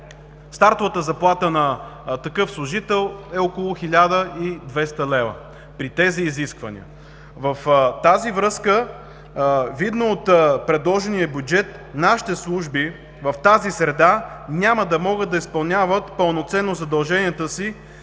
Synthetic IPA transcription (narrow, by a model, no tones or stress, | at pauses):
st̪aɾt̪ovət̪əzɐplˠat̪ənɐt̪ɐkɤfslˠʊʒit̪ɛlˠɛokolˠʊxilʲad̪əʔid̪vɛst̪əlɛvə̰ | pɾit̪ɛziːziskvənḭə̰ | vəft̪azivɾɤskə | vid̪noːt̪pɾɛd̪lˠɔʒɛniəbʲjud͡ʒɛt̪ | naʃi̥t̪ɛslˠuʒbi | vɐft̪azisɾɛd̪anʲaməd̪ɐmɔɡəd̪̚d̪ɐispɐlˠnʲavət̪pəlˠnot̪sɛnːozɐd̪ɐlˠʒɛniət̪əsi